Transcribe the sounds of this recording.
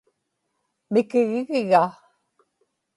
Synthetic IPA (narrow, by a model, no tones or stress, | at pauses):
mɪkeɣɪɣɪɣa